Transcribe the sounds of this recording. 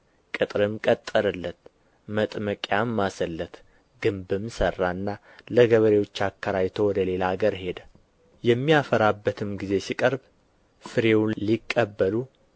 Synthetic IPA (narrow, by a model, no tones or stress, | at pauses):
kʼɨt̪ʼɾɨmkʼət̪ʼːəɾɨlːət̪ | mət̪ʼməkʼjamːasəlːət̪ | ɡɨmbɨmsərːaɨnːa | ləɡəβəɾewo̞t͡ʃːakʰːəɾajt̪ʰo̞wɔd̪əle̞laɡəɾhe̞d̪ə | jɛmːijafəɾabːət̪ʰɨmɡize̞sikʼəɾb | fɨɾewnlikʼːəbːəlu